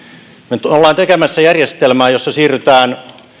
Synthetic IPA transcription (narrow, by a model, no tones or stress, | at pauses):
met̪olːɑːnt̪ekemæsːæjærjest̪elmæːjosːɑsiːryt̪æːn